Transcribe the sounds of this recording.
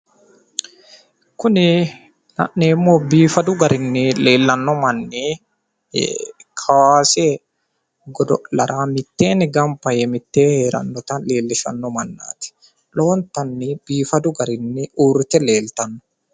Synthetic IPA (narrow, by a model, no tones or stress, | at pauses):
kʊnɪ | nɐʔːɛːmːoːbiːfɐd̪ʊɡɐɾɪnːɪleːlːɐnːɔmɐnːɪ̰ | kʰɐwaːseː | ɡɔd̪ɔlɐɾʔaːmɪt̪ːeːnɪɡɐmpɐjɛmɪt̪ːeːheːɾɐ̰nːɔt̪ɐnleːlːɪʃɐ̰nːɔmɐnːa̰ːt̪ɪ̥ | lo̞ːnt̪ɐnːɪb̥iːfɐd̪ʊɡɐɾɪnːɪuːɾɪt̪ɛleːlt̪ɐnːɔ̥